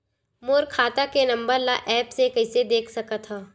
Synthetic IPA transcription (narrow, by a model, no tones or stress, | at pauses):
moːɾkʰaːt̪akenɐ̃mbəɾlaʔɛːpsekɐɪsed̪eːkʰsɐkat̪ʰaː